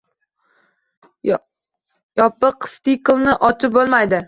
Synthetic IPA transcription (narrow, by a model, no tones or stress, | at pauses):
jɒpːɨqst̪iklˠnɪʔɒt͡ʃ̪ʰɪp̚bolˠmajd̪ɪ